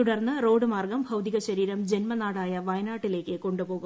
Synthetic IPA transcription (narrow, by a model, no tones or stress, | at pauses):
t̪uɽɐrnːɨro̞ːɖɨmaːrɡɐmbʱɐwd̪iɣɐɕɐɾiːɾɐmd͡ʑe̞nmɐnaːɽaːjɐʋɐjɐnaːʈːile̞ːkːɨko̞ɳɖupo̞ːɣu